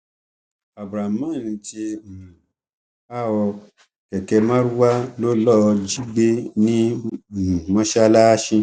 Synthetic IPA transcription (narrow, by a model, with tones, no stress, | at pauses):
a˨bɾa˨mã˦˨n̩˧tĩ˧˨ | a˦ɔ˧ | kɛ˨kɛ˧mã˦ɾu˦wa˦lo˦lɔ˦˧d͡ʒi˦ɡ͡be˦nĩ˦˨ | mã˧˦ʃa˧la˦ʃĩ˧